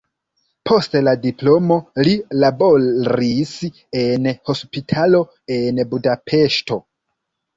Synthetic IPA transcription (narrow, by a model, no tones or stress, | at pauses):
pʰo̞stladiplo̞mo̞lilabo̞ɾis | enho̞spitʰalo̞ | e̞nbudapʰe̞ʃto̞